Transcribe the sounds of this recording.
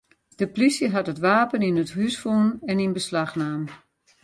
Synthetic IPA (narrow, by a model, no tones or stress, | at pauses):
d̥əplisjəɦatɦətʋaːpəninəthysfunɛninbəslaxnaːm